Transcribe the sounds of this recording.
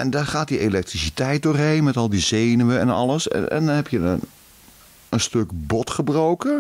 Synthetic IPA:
ʔɛndaχaːtdielɛk̚trisitɛjt̚dʊːrɦejnmɛtɔlˠdizejnəʋəɛ̰nɑ̰ləsɛ̰ɛ̰ndɔnɦɛpjə | ənstøkbɔtχəbrowkə

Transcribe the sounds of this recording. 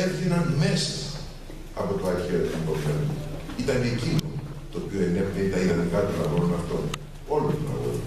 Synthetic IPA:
eɾθiɾɐnmesɐ̥ | ɐpo̞t̪oɐɾçeɾt̪inkopiɐnu | it̪ɐnecino | t̪oːpio̞eneptent̪ɐiðɐnikɐt̪onɐɣoɾonɐft̪o̞n | o̞lust̪unɐ̰ɣo̰ɾ

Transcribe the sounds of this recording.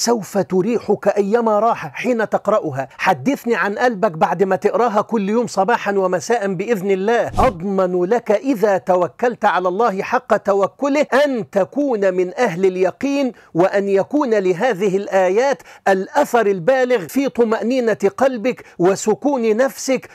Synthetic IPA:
sawfat̪ʊɾiːħʊkaʔajːamaɾˤɑːħaħiːnat̪ɑqɾˤɑʔʊɦaħad̪ːɪθniʕanʔalbakbaʕd̪maːt̪ɪʔɾɑːɦakʊlːjoːmsˤɑbɑːħɑnwamasaːʔanbɪʔɪðnɪlːaːhʔɑd̪ˤmɑnlakaʔɪðaːt̪awakːalt̪ʕalalˤːɑːhɪħɑqːɑt̪awakːʊlɪhʔant̪akuːnamɪnʔaɦlɪljɑqiːn | wɪʔanjakuːnalɪɦaːðɪɦɪlʔaːjaːt̪ʔalʔaθɑɾˤalbaːlɪɣfiːt̪ˤʊmaʔniːnaqɑlbɪkwɪsʊkuːnnafsɪk

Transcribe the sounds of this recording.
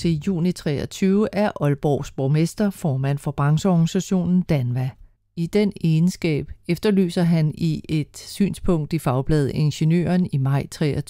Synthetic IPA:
ejṵːnit͡sʰʁɛ̰ːɐt͡sʰyːʊəʔæɐʔɒ̽lb̥ɒʊ̰sb̥omesd̥ɐfɒːmæn̰fɒ̽b̥ʁɑ̈ŋsəɒɡ̥nisæɕo̝̰ːnn̩d̥ænʋæ | id̥enensɡ̥ɛ̰ːb̥efd̥ɐly̰ːsɐɦæniʔe̝d̥sy̰ːnspʰɔ̽ŋ̰d̥ifɑ̈ʊb̥lɛːð̞̩ˠe̝nɕenø̰ːɐnimɑ̈ɪ̰t͡sʰʁɛ̰ːɐ

